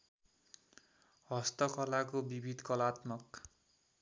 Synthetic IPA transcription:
hʌst̪ʌkʰʌlakobibʱid̪kʌlat̪mʌk

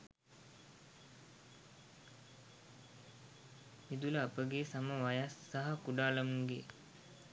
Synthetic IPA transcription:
mid̪uləːpəɡesaməʋajasːaɦakuɖaːləmuŋɡe

